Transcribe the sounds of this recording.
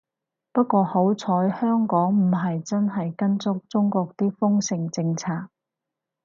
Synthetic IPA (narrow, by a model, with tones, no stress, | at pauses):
pɐ˥t̚kːʷɔː˧ho˨˥wt͡sʰɔː˨˥jhœː˥ŋkɔː˨˥ŋm̩˨˩ɦɐ˨jt͡sɐ˥nɦɐ˨jkɐ˥nt͡sʊ˥k̚t͡sʊ˥ŋkɔː˧k̚t̪iː˥fʊ˥ŋsɪ˨˩ŋt͡sɪ˧ŋt͡sʰaː˧k̚